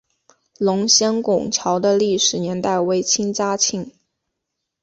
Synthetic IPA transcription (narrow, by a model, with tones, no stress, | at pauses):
lʊ˧˥ŋɕjɛ˥nkʊ˨˩ŋt͡ɕʰjɑ˧˥ʊd̪ə˧li˥˩ʂɻ̩˨˩njɛ˧˥nt̪a˥˩ɪwe˧˥ɪt͡ɕʰi˥ŋt͡sa˥t͡ɕʰi˥˩ŋ